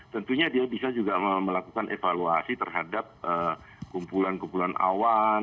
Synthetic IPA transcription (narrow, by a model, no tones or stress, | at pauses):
t̪ənt̪uɲadiabisad͡ʒuɡaəməlakukanʔefaluasit̪ərɦadap̚ʔə | kumpulankumpulana̰wan